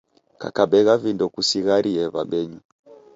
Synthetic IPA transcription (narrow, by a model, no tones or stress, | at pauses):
ka̰kaɓɛɣavindɔkusiɣaɾiɛβa̰ɓɛɲu